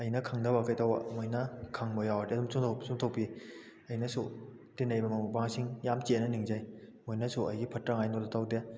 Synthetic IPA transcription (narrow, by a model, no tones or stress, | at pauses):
ɐjnɐkʰaŋdɐbakɐjtawa̰mojnɐkʰaŋmojawadiɐdumsuŋtʰwsuŋtʰawpi | ɐjnɐsu | tenɐjbɐmɐmubaŋsiŋjamt͡ʃenɐniŋzaj | mojnɐsuɐjɡipʰɐtɾaŋajnɔdɐtʰawde